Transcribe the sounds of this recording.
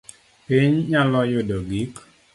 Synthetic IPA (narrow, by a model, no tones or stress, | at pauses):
piɲɲalɔjodoɡik